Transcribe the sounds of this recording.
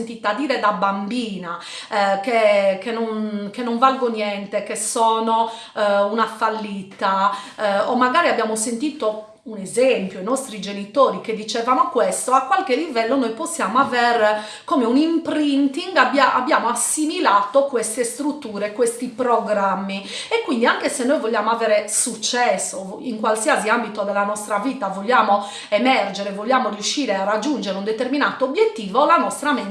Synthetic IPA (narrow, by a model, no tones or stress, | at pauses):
nt̪iːt̪ad̪iːɾɛd̪abambiːna | kekenːɔnkenːɔɱvalɡonjɛnt̪ɛkesːɔːnɔ | unafalːiːt̪a | ɔmːaɡaːɾiabːjaːmosent̪iːt̪o | unɛzempjoinɔst̪ɾid͡ʒenit̪oːɾiked̪ːit͡ʃɛvanokwɛst̪ɔakwalkelːivɛlːonojposːjaːmoavɛr | koːmeunimpɾint̪iŋɡabːjaʔabːjaːmoasːimilaːt̪okwɛst̪est̪ɾut̪ːuːɾekwest̪ipɾoɡɾamːiɛkːwind̪iaŋkesenːojvɔlːaːmoavɛːɾesut͡ʃːɛsːo | iŋkwalsiaziambit̪od̪ɛlanɔst̪ɾaviːt̪avɔʎːaːmo | ɛmɛrd͡ʒɛɾɛvɔʎːaːmorjuʃːiːɾɛarːad͡ʒːund͡ʒɛɾeund̪ɛt̪erminaːt̪oːbjet̪ːiːvɔlanɔst̪ɾame